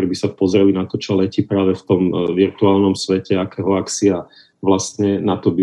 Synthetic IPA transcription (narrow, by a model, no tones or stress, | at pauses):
ɾbisapɔzɾɛlinat̪ɔt͡ʃɔlɛcipɾaːʋɛft̪ɔmʋiɾt̪uaːlnɔmsʋɛcɛakɛːɦɔakt͡sia | ʋlast̪ɲɛnat̪ɔbi